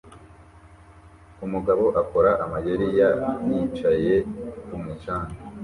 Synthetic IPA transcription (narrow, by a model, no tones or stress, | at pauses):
umuɡaβo̞ʔako̞ɾaʔamajeɾijajit͡ʃaje̞kumut͡ʃaːna